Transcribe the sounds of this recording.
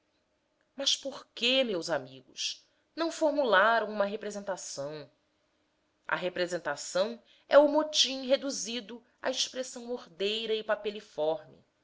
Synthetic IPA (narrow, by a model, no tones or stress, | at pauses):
mɐʃpoɾkemewzamiɡʊ̰ʃ | nɐ̃w̃foɾmulaɾɐ̃w̃ũmɐɦepɾezẽnt̪asɐ̃w̃ | ɐ̰ɦepɾezẽnt̪asɐ̃w̃ | ɛumot͡ʃĩɦed̪uzid̪ʊ | a̰iʃpɾesɐ̃w̃moɾd̪ejɾɐɪpapelifɔɾmɪ̰